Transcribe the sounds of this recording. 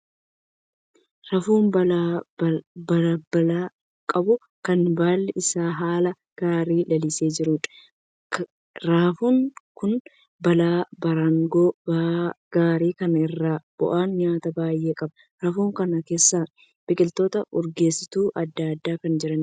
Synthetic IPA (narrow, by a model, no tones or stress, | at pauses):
ɾɐfuːnbɐla | bɐbɐlaː | kʼɐbʊ | kɐnbaːlːɛʔɪsaːɦaːlɐ | ɡ̥aːɾiːlɐlɪseːd͡ʒɪɾʊᶑ | ɾaːfuːŋkʊn | bɐlaːbɐɾɐŋɡoː | ɡ̥aːɾiːkɐnɐɪrːaːb̥ɔ̰ʔaːnɲaːt̪ɐbaːjʔe̞ːkʼɐbɐ | ɾɐfuːŋkɐnɐke̞ːsːaː | b̥ɪkʼɪlt̪o̞ːt̪ɐʊɾɡe̞ːsːɪt̪uːʔɐd̪ːaɐd̪ːaːkɐnd͡ʒɪɾɐn